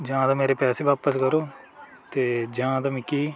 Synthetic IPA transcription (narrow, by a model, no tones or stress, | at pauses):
d͡ʒãːd̪aːmeːɾeːpɛːseːʋaːpəskəɾoː | t̪eːd͡ʒãːd̪aːmĩːkiː